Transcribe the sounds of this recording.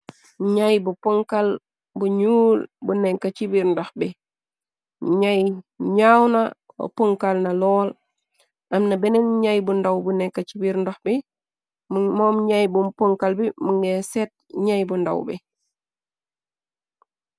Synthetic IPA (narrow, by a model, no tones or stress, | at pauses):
ɲajbupoŋkal | buɲuːlbunɛŋkːat͡ʃibiɾndoxbi | ɲajɲawna | wo̰poŋkalnɐlɔːl | ʔɐmnɐbɛnɛnɲajbundawbunɛŋkːat͡ʃibiɾndoxbi | mɔːmɲajbumpoŋkalbimuŋɡesɛt̚ɲajbunda̰wbḭ